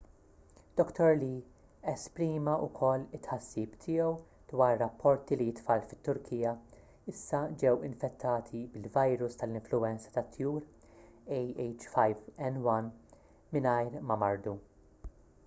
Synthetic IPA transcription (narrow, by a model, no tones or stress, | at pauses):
d̪̥ɔkt̪ɔɾli | ɛspɾiːmɐʔʊkʰɔlːɪt̪ːħɐsːiːpt̪ʰɪːjɛw | d̪̥wɐːɾːɐpːɔɾt̪ilijɪt̪fɐlfɪ̥t̪ːʊɾkʰiːjɐ | ɪsːɐd͡ʒɛwɪ̰ɱfɛt̪ʰːɐːt̪ʰibɪlvɐjɾʊst̪ɐlɪ̃ɱflʊwɛnt͡sɐ̥t̪ɐt̪ʰːjuːɾ | ɛjɛjt͡ʃfɐjvɛnwɐn | mɪnɐjɾmɐmɐɾd̪u